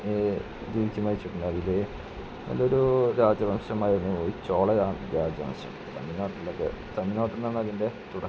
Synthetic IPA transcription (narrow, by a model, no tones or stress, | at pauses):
d̪iːʋit͡ɕːumɐɾit͡ɕːuʈːunːɐðile | nɐ̰lːoɾuɾaːd͡ʑɐbɐmɕɐmaːjɐnːɨot͡ɕːoːɭeaːmɾaːd͡ʑɐɐ̰mɕɐ̰mt̪ɐ̰nːino̞ːʈːrilːokːḛt̪ɐnːinoːʈːrɐnːɐnːɐðinde̞t̪uɽɐ